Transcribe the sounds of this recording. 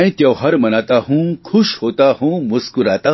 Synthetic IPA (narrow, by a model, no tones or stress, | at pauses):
ĩt̪jɐwɦaɾmənat̪aɦũkʰuɕhot̪aɦũmuskuɾat̪a